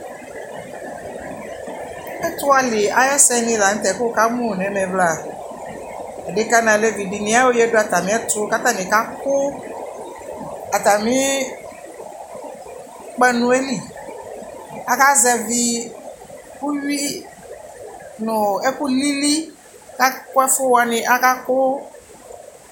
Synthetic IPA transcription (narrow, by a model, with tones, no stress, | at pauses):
ɛ˦t̪u˦a˨li˨a˨jɛ˦sɛ˦nĩ˦la˨ŋ̩̃˦t̪ɛ˨˦ko˦ka˦mũ˦˨nɛ̃˨˦mɛ̃˨bla˦˨ | e˨ɖe˨˦ka˦nã˨le˦vi˨di˨nĩ˦a˦wo˦jɛ˦ɖo˦a˨t̪a˨mĩ˦ɛ˦t̪u˦ka˦t̪ã˦nĩ˨ka˦ko˦ | a˨t̪a˨mĩ˦ | k͡pɛ˦nũ˨e˦li˨ | a˦ka˦zɛ˨vi˦ | ku˦ɥi˦ | nʊ̃˨e˦ku˦li˦li˦ | ka˦kɛ˦fʊ˦wa˨nɪ̃˨ʔa˦ka˦ko˦